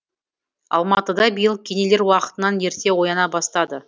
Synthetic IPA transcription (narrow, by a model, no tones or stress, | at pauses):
ɑ̰lˠmɑt̪əd̪ɑbijəlˠkʲʰe̞ne̞leɾwɑqə̥t̪ənɑnje̞ɾt̪e̞wo̞jɑnɑbɑst̪ɑd̪ə